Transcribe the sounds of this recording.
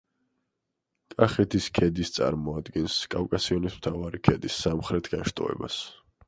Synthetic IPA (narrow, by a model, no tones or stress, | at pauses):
kʼaχɛt̪ʰiskʰɛd̪ist̪sʼa̰ɾmɔad̪ɡɛnskʼavkʼasiɔnismt̪ʰavaɾikʰɛd̪isːamχɾɛt̪ʰɡaʃt̪ʼɔ̰ɛ̰ba̰s